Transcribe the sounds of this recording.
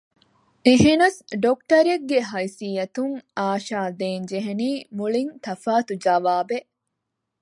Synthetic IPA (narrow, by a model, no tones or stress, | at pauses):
ʔiɦinɐsɖok̚ʈɐɾeɡːeɦɐjsiːjɐt̪uŋaːʃaːd̪eːnd͡ʒeɦeniːmuɭint̪ɐfaːt̪ud͡ʒɐʋaːbe